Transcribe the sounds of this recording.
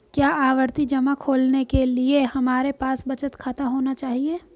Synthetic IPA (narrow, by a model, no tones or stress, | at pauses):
kjaːʔaːʋəɾt̪id͡ʒɐmakʰoːlnekeliehɐmaːɾepaːsbɐt͡ʃət̪kʰat̪aɦoːnat͡ʃaːɦieː